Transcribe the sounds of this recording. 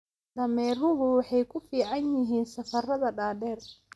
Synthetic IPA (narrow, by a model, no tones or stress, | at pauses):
d̪ɐmɛːrʊɦʊwɑħɑjkʰʊfiːʕɑnjɪɦiːnsɐfɐrɐðɐɖaːɖɛːr